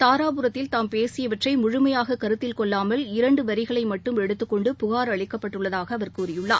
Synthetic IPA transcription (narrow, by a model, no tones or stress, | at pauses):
t̪aːɾaːpɯɾɐt̪ːɪlt̪aːmpeːsɪjɐʋɐʈrɐɪmʊɻʊmɐjaːɣɐkɐɾɯt̪ːɪlkɔɭːaːmɐlɪɾɐɳɖɯʋɐɾɪɣɐɭɐɪmɐʈːɯmɛɽɯt̪ːɯkːɔɳɖɯpʊɣaːɾɐɭɪkːɐpːɐʈːɯɭːɐðaːɣɐːʋɐɾkuːrɪjɯɭːa̰ː